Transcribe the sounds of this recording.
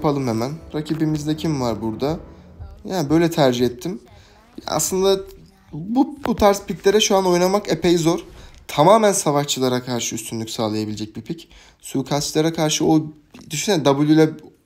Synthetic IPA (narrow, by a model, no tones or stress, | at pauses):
jpʰalˠɯmhemænɾacʰibimizd̪ɛcʰimvaɾbuɾd̪a | jaːnbø̞jlʲɛt̪ʰæɾd͡ʒihɛt̪ʰːim | ja̰slˠɯnd̪a | bubut̪ʰaɾspit̪lʲe̞ɾɛʃuano̞jnamakepʰɛjzo̞ɾ̥t̪ʰamaːmænsavaʃt͡ʃʰɯlˠaɾakʰaɾʃɯyst̪ʰynʲycʲsaːlˠajabilʲed͡ʒɛc̚bipʰic | suːkʰast͡ʃlˠaɾakʰaɾʃɯo | d̪yʃynɛnd̪abulʲylʲɛ